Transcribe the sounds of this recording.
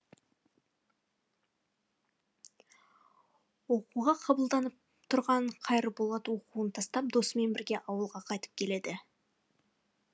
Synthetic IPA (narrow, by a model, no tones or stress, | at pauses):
wo̞quʁɑqʰɑbəlˠd̪ɑnəp̚ | t̪ʰʊɾʁɑɴqʰɑjɾəbo̞lˠɑt̪əwo̞quənt̪ʰɑst̪ɑp̚d̪o̞sme̞nbɪɾɡʲeʔɑwəlˠʁɑqʰɑjt̪ə̥p̚kʲʰe̞le̞d̪ɪ